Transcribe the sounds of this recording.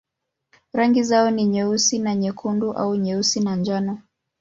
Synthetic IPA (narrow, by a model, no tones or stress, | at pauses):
ɾaŋɡizaɔniɲɛusinaɲɛkʰunduʔa̰uɲɛusinand͡ʒanɔ